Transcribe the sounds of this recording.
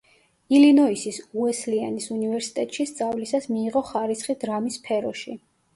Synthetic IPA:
ilinɔisisuɛslianisunivɛɾsi̥t̪ʼɛt̪ʼʃist̪sʼavlisasmiːʁɔχaɾisχid̪ɾamispʰɛɾɔʃi

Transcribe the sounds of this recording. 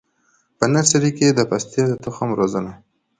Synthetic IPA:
pənasaɾiked̪əpast̪jed̪ət̪ʊxamɾozəna

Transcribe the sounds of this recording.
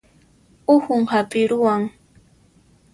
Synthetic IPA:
ʊxʊŋhapʼɪɾʊwaŋ

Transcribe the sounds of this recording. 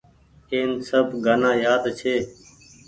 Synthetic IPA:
eːnsəbɡʱənãːjaːd̪t͡ʃʰeː

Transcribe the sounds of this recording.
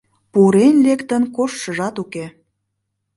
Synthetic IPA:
puɾenlekt̪ənkoʃʃəʒɑt̪uke

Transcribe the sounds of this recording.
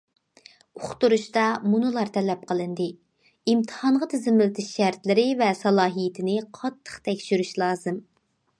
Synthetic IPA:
oχt̪uɾuʃt̪ɑmunɨlˠɑɾt̪ʰɛlɛp̚qʰəlˠɨnd̪ɨ | imt̪ʰɨ̥hɑnʁət̪ʰɪzɪmɪlɪt̪ʰɪʃʃæɾt̪lɪɾɪvɛsɑlˠɑːɦijɪt̪ʰɪnɪqʰɑt̪ʰːə̥χt̪ʰɛkʲʃyɾyʃlˠɑːzɨm

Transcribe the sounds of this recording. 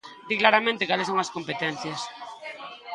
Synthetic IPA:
d̪iklaɾamẽnt̪ekalesoŋɐskompet̪en̟θjas

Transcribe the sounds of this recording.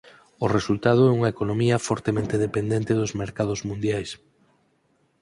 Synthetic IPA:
ʊresult̪að̞ʊɛuŋɐekonomiɐfɔɾt̪emẽnt̪eðepend̪ẽnt̪eðʊzmeɾkað̞ʊzmũnd̪jajs

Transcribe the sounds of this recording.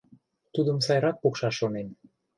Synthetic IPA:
t̪ud̪əmsɑjɾɑk̚pokʃɑʃːonen

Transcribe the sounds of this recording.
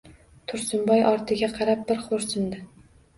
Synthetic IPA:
t̪ʰʊɾsʊmbɒjʔɒɾt̪ʰɪɡʲaqʰɑɾap̚bɪɾχʰoɾsɪmd̪ɪ

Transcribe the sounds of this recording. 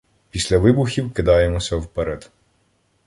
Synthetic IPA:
pʲisʲlʲɐʋɪbuxʲiwkɪd̪ɑjemɔsʲɐwpɛɾɛd̪

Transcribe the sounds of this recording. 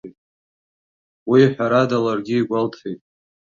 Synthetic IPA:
tʼ | wiħʷᶣaɾadalarɡʲiːɡʷaltʰejtʼ

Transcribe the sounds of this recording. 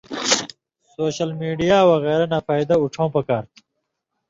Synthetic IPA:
soːɕɐlmiːɖijaːwɐɣeːɾanafaːjd̪ɐuʈ͡ʂʰõwpɐkaːɾt̪ʰ

